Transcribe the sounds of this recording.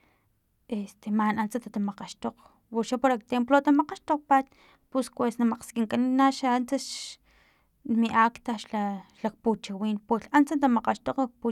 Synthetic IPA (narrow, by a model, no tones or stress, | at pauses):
ʔest̪emanʔant͡sat̪at̪amaqaʃt̪oq | wuɾʃapoɾak̚t̪emplot̪amaqaʃt̪oq̚pat̪ | puskwesnamaqskiŋkaninaʃaant͡sa | nmiʔaːkt̪aʃlalak̚put͡ʃawiːnpeɬʔant͡sant̪amaqaʃt̪oqak̚pu